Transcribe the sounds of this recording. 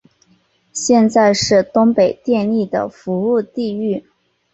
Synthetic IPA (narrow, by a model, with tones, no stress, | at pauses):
ɕjɛ˥˧nt͡sa˥˧ɪʂɻ̩˥˩t̪ʊ˥ŋpe˨˩ɪt̪jɛ˥˧ni˥˩d̪ə̰˩fu˧˥u˥˧t̪i˥˧y˥˩